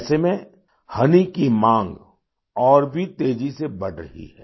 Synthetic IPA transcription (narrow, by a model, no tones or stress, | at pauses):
semẽ | hɐnikimãːŋɡ | ɔːɾbʱit̪eːd͡ʒisebɐɽɾɐ̰ɦḭɦɛː